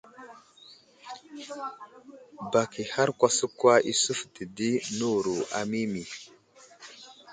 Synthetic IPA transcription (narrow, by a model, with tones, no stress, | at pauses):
ba˨ki˨ha˦ɾkʷa˦sə˦kwa˦i˨su˦fti˨di˦nu˦˨ɾu˨ʔa̰˨mi˦mi˨